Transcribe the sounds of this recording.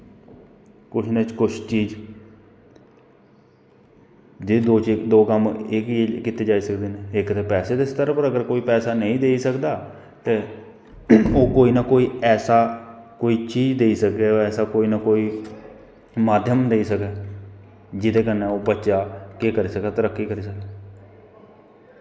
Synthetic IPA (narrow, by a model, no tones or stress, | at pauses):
kʊt͡ʃʰnət͡ʃkʊt͡ʃʰt͡ʃiːd͡ʒ | d͡ʒed̪oːt͡ʃːkd̪oːkəmɪkikɪt̪eːd͡ʒaːiːsəkd̪eːneːɪkt̪eːpɛːseːd̪est̪əɾpəɾəɡəɾkoːiːpɛːsaːnəĩːd̪eːiːsəkd̪aː | t̪eː | oːkoːiːnaːkoːiːɛːsaːkoːiːt͡ʃiːd͡ʒd̪eːiːsəkeːoɛːsaːkoːiːnaːkoːiː | maːd̪ʱjəmd̪eiːsəkɛː | d͡ʒɪd̪eːkənẽːoːbətːʃaːkeːkəɾiːsəkɛːt̪əɾəkːiːkəɾiːsək̚ɛː